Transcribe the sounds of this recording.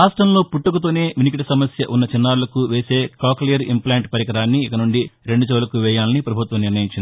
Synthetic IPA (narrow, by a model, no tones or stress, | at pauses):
aːsʈɾɐmlo̞ːpuʈːukut̪oːne̞ːʋinik̬iʈisɐmɐsjɐʔunːɐt͡ʃinːaːɽulɐkuʋeːse̞ːkaːklijɐɾḭmplaːɳʈpɐɾjɐkɐɾaːnːiːkɐnuɳɖiɾe̞ɳɖut͡ʃoːlɐkuʋɛːjaːlɐnipɾɐbʱut̪ʋɐmniɾnɐjiɲt͡ʃːini